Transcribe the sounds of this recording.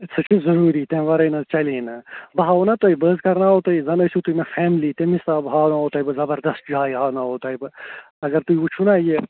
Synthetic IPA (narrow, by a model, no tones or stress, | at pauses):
t͡sʰɐt͡ʃʰizɐɾuːɾiːt̪ẽːʋɐɾɐjnɐt͡ʃɐliːnɐbɐɦaːwnɐt̪oibəːzkɐɾnaːɦot̪ɐizɐnɐsut̪uimefʰeːmliːt̪emisaːbɦaːwnaːɦoːt̪ɐibɨzɐbɐɾd̪ɐst̪̚d͡ʒaːiɦaːnaɦoːt̪ɐibɨ | ɐɡɐɾt̪uiut͡ʃʰunaje